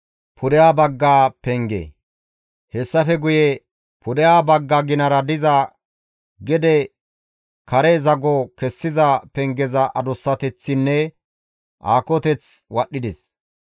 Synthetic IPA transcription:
pʰʊd̪ɛjaːbɐɡːaːpɛŋɡḛː | hɛsːɐfɛɡʊjɛ | pʰʊd̪ɛjaːbɐɡːaɡɪnɐɾɐd̪ɪzɐ | ɡɛd̪ɛ | kɐɾɛzɐɡɔkɛsːɪzɐpɛŋɡɛzɐʔɐd̪ʊsːɐt̪ɛt͡sːɪnːɛ | ʔaːkɔt̪ɛt͡swɐɗːɪd̪ɪs

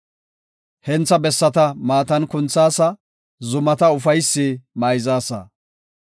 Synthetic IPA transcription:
hɛnt͡sːɐbɛsːɐt̪ɐmaːt̪ɐnkʊnt͡sːaːsɐ | zʊmɐt̪ɐʊfɐjsːɪmɐjzaːsɐ̰

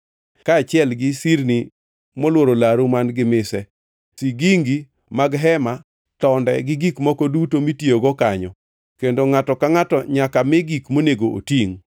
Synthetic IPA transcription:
kaːt͡ʃɪɛlɡɪsiɾni | mɔlwoɾolaɾumanɡɪmɪsɛ | siɡiŋɡi | maɡɦɛma | tɔndɛ̰ɡɪɡikmɔkɔdutomitioɡɔkaɲɔ̰ | kendoŋatɔkaŋatɔɲakamɛɡikmoneɡoʔo̰tiŋ

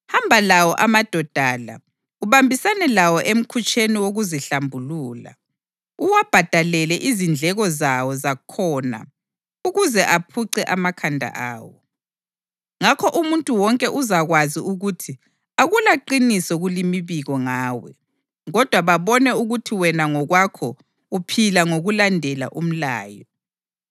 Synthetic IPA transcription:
hambʱalawɔʔamad̥ʱɔd̥ʱaːla̰ | uβambʱisanɛlawɔʔem̩kʰut͡ʃʼeniwoɣuziɬambʱuluːla̰ | uwab̥ʱad̥ʱalɛlɛʔizind͡ɮʱɛɣɔzawɔzakʰɔna̰ | uɣuzɛʔapʰuǀɛʔamakʰandʱa̰ʔa̰ːwɔ | ŋakʰɔʔumuntʼuwɔŋkʼɛʔuzaɣwaziuɣutʰi | aɣulaǃinisɔɣulimiβiɣɔŋaːwɛ̰ | ɣɔd̥ʱwaβaβɔnɛuɣutʰiwɛnaŋɔɣwakʰɔ | upʰilaŋoɣulandʱɛla̰ʔum̩la̰ːjɔ

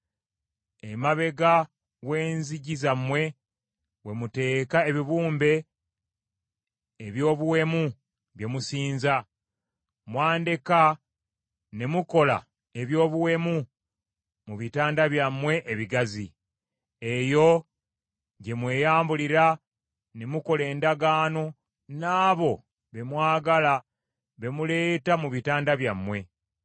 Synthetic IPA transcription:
emaβe̞ɡa | we̞ːnziɟizamwe̞ | we̞mute̞ːkaeβiβuːmbe̞ | βjo̞ːβuwe̞mu | βje̞musiːnza | mwaːndeka | ne̞muko̞la̰ | e̞βjo̞ːβuwe̞mu | muβitaːndaβjamːwe̞ʔːβiɡazi | e̞jo̞ | ɟe̞mwe̞ːjaːmbuliɾa | ne̞muko̞le̞ːndaɡaːno̞ | naːβo̞ | βe̞mwaːɡala | βe̞mule̞ːtamuβitaːndaβjamːwe̞

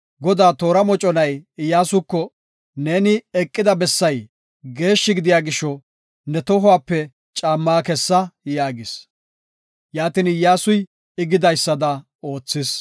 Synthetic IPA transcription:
ɡɔd̪aːt̪o̞ːɾɐmɔt͡ʃʼɔnɐjɪjːaːsʊkːɔ | ne̞ːnɪɛkʼːɪd̪ɐbɛsːɐj | ɡe̞ːʃːɪɡɪd̪ɪjaːɡɪʃːɔ | nɛt̪ɔɦʊwaːpːɛ | t͡ʃʼaːmːaːkɛsːɐjaːɡɪs | jaːt̪ɪnɪjːaːsʊj | ɪɡɪd̪ɐjsːɐd̪ɐ | o̞ːt͡sːɪs

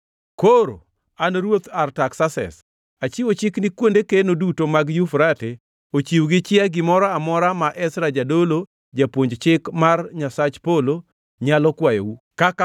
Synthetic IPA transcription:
koɾo̰ | anɾwot̪artaksasɛ̰s | at͡ʃiwot͡ʃɪknikwondekenodutomaɡjufɾate | ot͡ʃiwɡɪt͡ʃɪaɡɪmɔɾaamɔɾamaʔɛsɾad͡ʒadolo | d͡ʒapwoɲd͡ʒt͡ʃɪkmarɲasat͡ʃpolo | ɲalɔkwajo̰wu | kaka

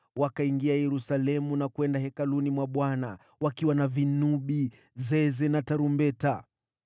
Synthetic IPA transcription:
wakaiŋɡiajɛɾusalɛmunakwɛndahɛkalunimwaɓwana | wakiwanavinuɓi | zɛzɛnataɾumbɛta

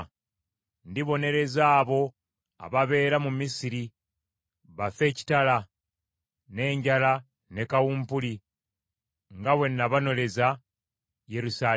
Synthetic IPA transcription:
ndiβo̞ne̞ɾe̞zaːβo̞ | a̰βaβe̞ːɾamumisiɾi | βafe̞ːci̥tala | ne̞ːɲɟala | ne̞kawuːmpuli | ŋɡawe̞nːaβano̞le̞za | je̞ɾusaː

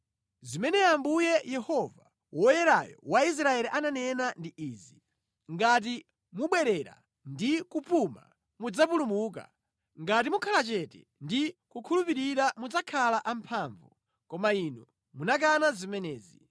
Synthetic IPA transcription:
zimɛnɛambujɛjɛhɔva | wʔɔjɛɾajɔ̰wais̬ɾaɛliʔananɛnandiiːzi | ŋɡat̬i | muɓwɛɾɛɾa̰ | ndikupuma̰ | mud͡zapulumuːk̬a̰ | ŋɡat̬imukʰalat͡ʃɛtɛ̰ | ndikukʰulupiɾiɾamud͡zakʰalaʔampʰaːɱvu | kɔmainɔ | munak̬anazimɛnɛːzi

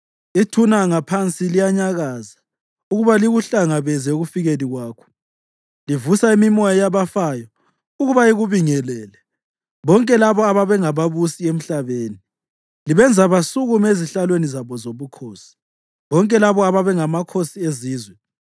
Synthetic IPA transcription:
itʰunaŋapʰant͡sʼilijaɲaɣaza | uɣuβaliɣuɬaŋaβɛzɛuɣufiɣeliɣwaːkʰɔ̥ | livusaimimɔjajaβafajɔ | uɣuβaiɣuβiŋɛlɛːlɛ | βɔŋkʼɛlaβɔaβaβɛŋaβaβusiem̩ɬaβeːni | liβɛnd͡zʱaβasuɣumeziɬalwenizaβɔzoβukʰoːsi̥ | βɔŋkʼɛlaβɔaβaβɛŋamakʰosieziːzwɛ

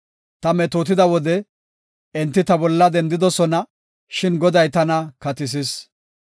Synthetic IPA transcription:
t̪ɐmɛt̪oːt̪ɪd̪ɐwɔd̪ɛ | ɛnt̪ːɪt̪ɐbɔlːɐd̪ɛnd̪ɪd̪ɔsɔnɐ | ʃɪnɡɔd̪ɐjt̪ɐnɐkɐt̪ɪs̬ɪs

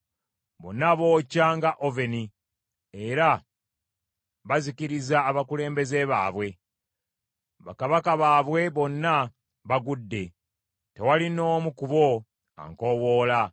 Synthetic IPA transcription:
βo̞̰nːaβo̞ːcaŋɡaʔove̞ni | eɾa | βaziciɾizaːβakule̞ːmbe̞ze̞βa̰ːβwe̞ | βa̰kaβakaβaːβwe̞βo̞nːa | βaɡudːe̞ | te̞walino̞ːmukuβo̞ | a̰ŋko̞wo̞ːla

